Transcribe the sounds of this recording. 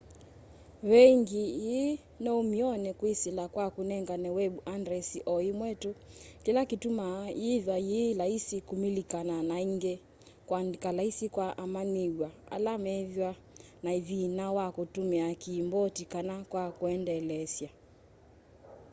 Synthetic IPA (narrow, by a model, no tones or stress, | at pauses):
wɛŋɡiji | nɔumiɔnɛkwisilakwakunɛŋɡanɛwɛbuandɾɛsiʔɔimwɛtukilakitumaivjwajilaisikumilikananaiŋɡɛ | kwakalaisikwaʔamaniɡwaa̰lamɛvjwa | naivinawakutumiakiːmbɔtikanakwakuɛndɛlɛsja